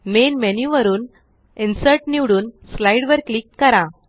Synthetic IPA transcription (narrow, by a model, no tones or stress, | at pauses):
menmenjuʋəɾuːn | insəɾʈniʋɽuːnslajɽʋəɾklikːəɾã